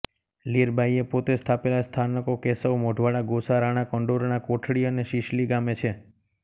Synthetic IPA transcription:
liɾbaiepot̪est̪ʰapelast̪ʰanəkokesəwmoɖʱʋaɽaɡosaɾaɽ̃akəɳɖoɾnakoʈʰɽiəneʃiʃliɡamet͡ʃʰe

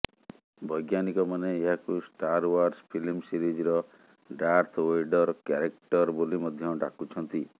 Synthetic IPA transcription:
bʱɔjɡjanikɔmaneːɦakusʈaɾwaɾspʰilmsiɾid͡ʒɾɔ | ɖaɾt̪ʰejɖɔɾkaɾekʈɔɾbolimɔd̪ʱjɔɖakut͡ʃʰɔnt̪i

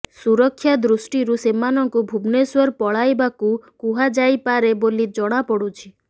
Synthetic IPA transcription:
suɾɔkʰːjad̪ɾusʈiɾusemanɔŋkubʱubneswɔɾpɔɭajbakukuɦad͡ʒajpaɾebolid͡ʒɔɽ̃apɔɽut͡ʃʰi̥

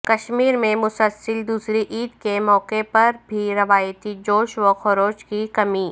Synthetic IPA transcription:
kɐʃmiːɾmẽmʊsəlsəld̪uːsɾiʔiːd̪kemɔːqepɐɾbʱiɾɐʋaːjt̪id͡ʒoːʃʋoxʊɾoːt͡ʃkikɐmiː

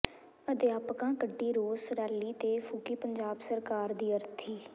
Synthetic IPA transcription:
əd̪ɪjaːpkãːkəɖːiːɾoːsɾɛːliːt̪eːfʰuːkiːpəɲd͡ʒaːbsəɾkaːɾd̪iːəɾt̪ʰiː

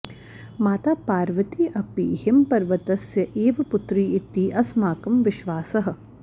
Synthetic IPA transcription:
maːt̪aːpaːɾʋɐt̪iːʔɐpiːɦɪmpɐɾʋɐt̪ɐsjɐʔeːʋɐpʊt̪ɾiːɪt̪iːʔɐsmaːkɐmʋɪʃʋaːsɐɦɐ̆

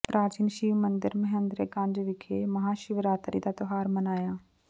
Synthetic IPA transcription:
pɾaːd͡ʒɪnʃiːʋmənd̪əɾməɦə̃nd̪ɾeːɡãnd͡ʒʋɪkʰeːməɦaːʃɪʋɾaːt̪ɾiːd̪aːt̪ʊɦaːɾmənaːjaː

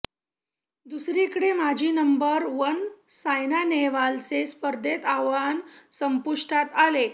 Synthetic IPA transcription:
d̪usɾikəɽemad͡ʑʱiːnəmbəɾʋənsajnaneʋalt͡sespəɾd̪ʱet̪aʋansəmpuʂʈat̪ale

